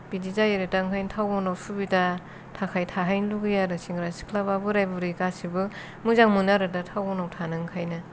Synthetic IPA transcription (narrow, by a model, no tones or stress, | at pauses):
b̥idizajeɾetaŋkʰajntʰawbɔnawsubita | tʰakʰajtʰaɦajnluɡɯjaɾɯsiŋɡɾasi̥kʰlababɯɾajbuɾikasibɯ | muzaŋmunaɾɯtatʰawbɔnawtʰanɯŋkʰajnɯ